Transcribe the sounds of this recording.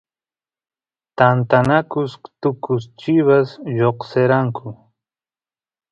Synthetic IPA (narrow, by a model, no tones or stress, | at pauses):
t̪ant̪anakʊst̪ʊkʊst͡ʃɪβasʎoqseɾaŋkʰʊ